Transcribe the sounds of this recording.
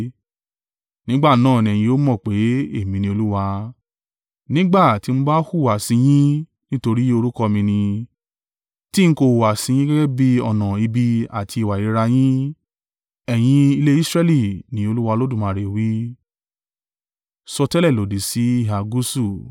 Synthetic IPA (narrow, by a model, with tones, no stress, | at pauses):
nĩ˦ɡ͡ba˦˨nãː˦˨nĩ˨ɛ˨j̃ĩ˧o˦mɔ̃˦˨k͡pe˨˦e˦˨mĩ˨˧nĩ˧˦o˧lu˦wa˧ | nĩ˦ɡ͡ba˦˨ti˧mũ˦ba˦hu˦˨wa˨sĩ˧j̃ĩ˦ | nĩ˦to˧ɾi˦o˧ɾu˦kɔ˧mĩ˧nĩ˧ | ti˦ŋ̩˦ko˧˨wa˨sĩ˧j̃ĩ˦ɡɛ˦ɡɛ˦bi˦ɔ˧˨nã˨i˧bi˧a̰˨ti˧i˧˨wa˨i˨ɾi˦˧ɾa˧j̃ĩ˦ | ɛ˨j̃ĩ˧i˧le˦i˦sɾɛ˦˧li˦˨nĩ˨˦o˧lu˦wa˧lo˦dũ˦˨mã˨˧˨ɾe˨wi˦ | sɔ˧tɛ˦lɛ˦˨lo˨di˨si˨˦i˦˨a˨ɡu˦su˦˨